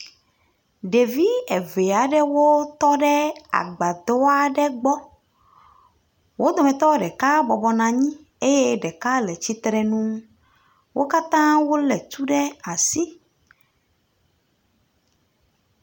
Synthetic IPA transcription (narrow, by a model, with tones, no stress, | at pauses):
ɖe˨vi˦e˨ve˨a˨ɖɛ˦wo˦t̪ɔ˦ɖɛ˦a̰˨ɡ͡ba˨d̪ɔ˦a˦ɖɛ˦ɡ͡bɔ˦ | wo˦d̪ɔ˨mɛ̃˨t̪ɔ˦ɖɛ˨ka˦bɔ˨bɔ˨nã˨ɲĩ˦ | e˦je˦ɖɛ˨ka˦lɛ˨t͡ɕi˦t̪ɾɛ˦nũ˦ | wʔo˦ka˦t̪ã˦wo˦lɛ˨t̪u˦ɖɛ˦a˨si˦